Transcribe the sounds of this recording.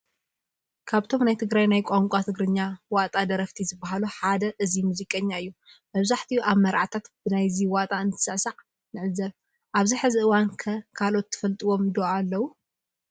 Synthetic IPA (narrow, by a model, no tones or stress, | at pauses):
kʰaβt̪ʰo̞mnajt̪ʰɨɡɾajnajkʷʼaŋkʷʼat̪ʰɨɡɾɨɲːawat̪ʼad̪ɐɾɐft̪ʰizɨbːaɦaluħad̪ɐʔɨzimuzikʼɐɲːaɨjːu | mɐβzaħt̪ʰiuʔaβmɐɾʕat̪ʰat̪b̥ɨnajziwat̪ʼaɨnt̪ʰɨ̥sasaʕ | nɨʕɨzːɐɾ | ʔaβziħɨziʔɨwankʰɐkʰalo̞t̪ːɨ̥fɐlt̪ʼiwo̞md̪oʕalːɐwu